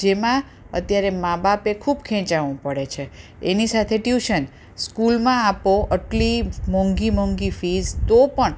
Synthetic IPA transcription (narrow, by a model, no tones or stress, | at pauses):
emã | ə̰t̪jaɾemãbapekʰubkʰɛ̃t͡ʃaʋũpəɽet͡ʃʰeenisat̪ʰeʈjuʃən | skulmãapoʔəʈlimɔ̃ŋɡimɔŋɡifizt̪opəɳ